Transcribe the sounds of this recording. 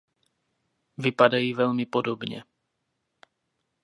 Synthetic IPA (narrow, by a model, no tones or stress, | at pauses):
vipadajiːvɛlmipodobɲɛ̰